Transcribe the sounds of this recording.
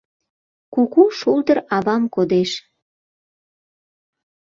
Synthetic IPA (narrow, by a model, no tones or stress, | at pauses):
kukuʃuld̪əɾɑβɑmkod̪eʃ